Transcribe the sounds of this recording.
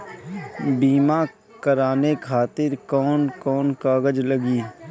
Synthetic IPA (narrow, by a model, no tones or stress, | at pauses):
biːma | kəɾaːnekʰaːt̪ɪɾkɔːnkɔːnkaːɡəd͡ʒləɡiː